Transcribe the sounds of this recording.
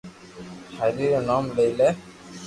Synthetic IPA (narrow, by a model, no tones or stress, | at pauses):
haɾiɾnɔmlejlɛ